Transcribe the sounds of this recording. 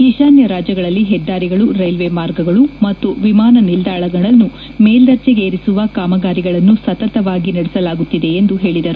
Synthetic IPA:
ɦiʃaːnjɐɾaːd͡ʒjɐɡɐɭɐlːiɦɛd̪ːaːɾiɡɐɭuɾɐjlʋemaːɾɡɐɡɐɭumɐt̪ːuʋimaːnɐnild̪aːɭɐɡɐɭɐnːu | meːld̪ɐɾt͡ʃeɡeːɾisuʋɐkaːmɐɡaːɾiɡɐɭɐnːusɐt̪ɐt̪ɐʋaːɡinɐɽɛsɐlaːɡut̪ːid̪e̞ːnd̪uɦe̞ːɭid̪ɐɾu

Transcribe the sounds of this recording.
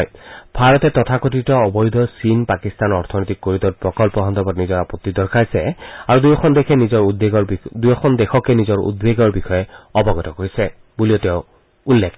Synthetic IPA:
jbʱaɹɔtɛtɔtʰakotitɔɔbɔjud̪ʱɔsinpakistanɔɹtʰɔnɔjtikːoɹitɔt̚pɹɔkɔlpɔɦɔnd̪ɔbɔtnizɔɹapɔt̪ːidɔɹkʰajsɛaɹudujɔkʰɔndekʰɛnizɔɹdeɡɔdujɔkʰɔndɛxɔkɛnizɔɹṵdbeɡɔɹbixɔjɛɔbɔɡɔtɔkoɹisɛ | buliɔtɛʊ̃ | ulːek

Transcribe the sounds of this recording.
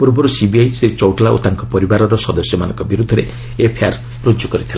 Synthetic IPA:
puɾbɔɾusibiajsɾit͡ʃɔwʈlaʔṵt̪aŋkɔpɔɾibaɾɔɾɔsɔd̪ɔsjɔmanɔŋkɔbiɾud̪ʱːɔɾe | epʰia̰ɾ | ɾud͡ʒukɔɾit̪ʰilã

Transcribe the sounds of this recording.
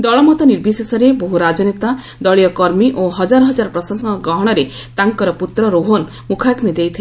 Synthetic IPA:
d̪ɔɭɔmɔt̪ɔniɾbʱisesɔɾeboɦuɾad͡ʒɔnet̪a | d̪ɔɭijɔkɔɾmiʔoɦɔd͡ʒaɾɔɦɔd͡ʒaɾɔpɾɔsasɔŋkɔɡɾɔɦɔɽ̃ɔɾet̪aŋkɔɾɔput̪ɾɔɾoɦon | mukʰaknid̪ejt̪ʰi

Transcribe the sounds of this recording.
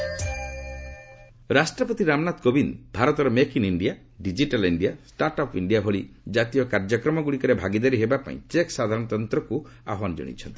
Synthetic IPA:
ɾasʈɾɔpɔt̪iɾamnat̪kobinbʱaɾɔt̪ɔɾɔmekiniɳɖija | ɖid͡ʒiʈaliɳɖiasʈaɾʈɔpiɳɖiaɦoɭi | d͡ʒat̪ijɔkaɾd͡ʒɔkɾɔmɔɡuɽikɔɾebʱaɡid̪aɾiɦebapa̰ḭ̃t͡ʃeksad̪ʱaɾɔ̃ɽ̃ɔt̪ɔnt̪ɾɔku | a̰ɦand͡ʒɔ̰ɽ̃ḭt͡ʃʰɔnt̪i

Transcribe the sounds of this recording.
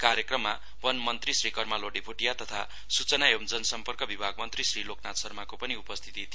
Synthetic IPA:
kaɾjekrʌmːa | bʌnmʌnt̪risrikʌrmaloɖipʰoʈijat̪ʌt̪ʰa | sut͡sʌnaemd͡zʌnsʌmpʌrkʌbibʱaɡmʌnt̪risriloknat̪sʌrmakopʌniupʌst̪ʰi̥t̪it̪ʰi

